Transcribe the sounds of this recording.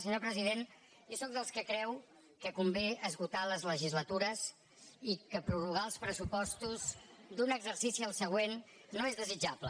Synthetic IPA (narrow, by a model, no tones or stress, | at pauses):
səɲopɾəziðen | josok̚d̪əlˠskəkɾɛw | kəkumbeəzɣut̪aləzləʒizlət̪uɾəs | ikəpɾuruɣaəlˠspɾəsupɔst̪uzd̪unəɡzəɾsisiəlˠsəɣ̞wenː | oezðəzid͡ʒaplə